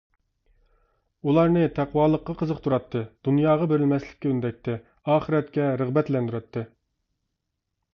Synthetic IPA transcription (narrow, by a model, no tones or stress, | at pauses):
ulˠɑɾnɨt̪ʰæqwɑːlˠəqːɑqʰəzəqt̪ʰuɾɑt̪ʰːɨd̪̥unjɑːʁɑbeɾɪlmɛslɪ̥k̚ʲːɛynd̪ɛk̚ʲt̪ʰɪ | ɑːχəɾɛt̪kʲɛɾəʁbɛt̪lɛnd̪yɾɑt̪ʰːɨ